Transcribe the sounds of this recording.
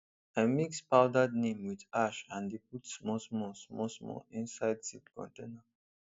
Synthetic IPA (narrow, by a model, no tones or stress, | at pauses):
amikspaʊdəd̚nẽmwidaʃãnip̚utsmɔsmɔsmɔsmɔ̰ĩnsajdsitkʰɔ̰̃ntẽna